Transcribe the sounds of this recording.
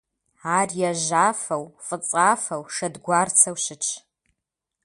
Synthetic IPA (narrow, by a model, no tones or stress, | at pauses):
aːrjaʒaːfɐwfʼɨt͡sʼaːfɐwʂɐdɡʷaːrt͡sʰɐwʃɪt͡ʃʰ